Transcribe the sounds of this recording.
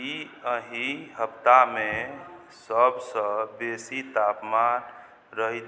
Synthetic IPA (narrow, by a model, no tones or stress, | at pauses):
i | əɦĩɦəpt̪ame | səbsə̃besit̪apman | ɾəɦit̪